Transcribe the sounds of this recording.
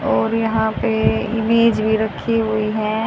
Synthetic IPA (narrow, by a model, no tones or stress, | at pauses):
ɔːɾjɐɦãpeɪmeːd͡ʒbʱiɾɐkʰiɦʊiɦɛ̃ː